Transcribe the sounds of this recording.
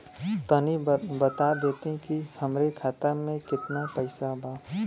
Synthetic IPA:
t̪ənibət̪ad̪eːt̪eɦkihəmɾekʰaːt̪əmẽkɪt̪napəɪsabʱaː

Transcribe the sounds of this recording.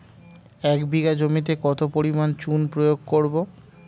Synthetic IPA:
ɛkbiɡad͡ʑomit̪̬ekɔt̪opoɾimant͡ɕunpɾojoɡ̚koɾbo

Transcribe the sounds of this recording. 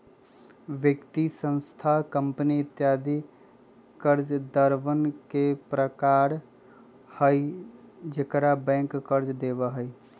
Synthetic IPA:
ʋjəkt̪isə̃nst̪ʰakə̃mpniɪt̪jaːd̪i | kəɾd͡ʒd̪əɾʋənkepɾəkaːɾ | həid͡ʒekɾabɛ̃ːŋkːəɾd͡ʒd̪eːʋəɦəi

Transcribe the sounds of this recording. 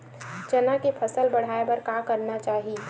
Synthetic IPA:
d͡ʒɐnakepʰəsəlbɐɽ̤aːebɐɾkakəɾnat͡ʃaːɦie

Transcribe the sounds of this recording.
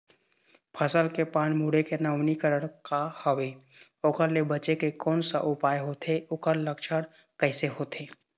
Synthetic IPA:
pʰəsəlkepaːɽ̃muːɽekenəʊnikəɾəɽ̃kahəwe | oːkəɾlebət͡ʃekekɔːnsaʔʊpaːeɦoːt̪ʰeʊkəɾləkʃʰəɽ | kəɪseɦoːt̪eː

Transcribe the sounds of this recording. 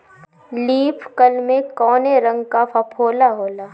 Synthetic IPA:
liːpʰkəlmẽkɔːneɾɐ̃ŋɡkapʰɐpʰoːlaɦoːlaː

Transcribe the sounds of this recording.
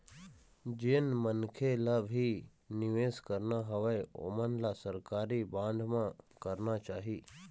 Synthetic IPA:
d͡ʒɪnmənkʰelabʱi | nɪʋeːskəɾnaɦɐʋeo̰ːmənlasəɾkaːɾibãːɳɖʱmãkəɾnat͡ʃaːɦiː

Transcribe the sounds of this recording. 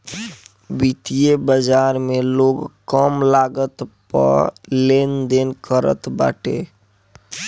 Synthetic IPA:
bit̪ijebəd͡ʒaːɾmẽloːɡkəmlaːɡət̪pə̰ɾleːnd̪enkəɾə̰t̪ba̰ːʈḛ

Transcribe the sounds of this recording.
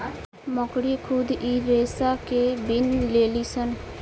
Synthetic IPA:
məkɽikʰʊd̪iɾeːsakebinleːlisən

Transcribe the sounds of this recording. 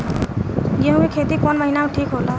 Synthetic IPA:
ɡeɦũkekʰet̪ikɔnmʌɦinaũʈʰikɦola

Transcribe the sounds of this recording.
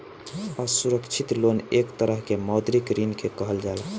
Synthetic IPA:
ɔsuɾəkt͡ʃʰit̪lonekt̪əɾəɦkemɔd̪ɾikɾinkekəɦəld͡ʒael

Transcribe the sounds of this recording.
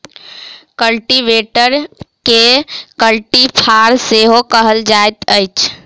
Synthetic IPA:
kəlʈiʋeːʈəɾkekəlʈipʰaːɾseɦokəɦəld͡ʒaːet̪əjt͡ʃʰ

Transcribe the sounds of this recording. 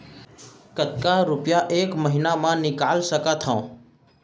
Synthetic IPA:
kət̪̚kaɾʊpɪjaʔeːkməɦɪnamãnɪkaːlsəkat̪ʰãː

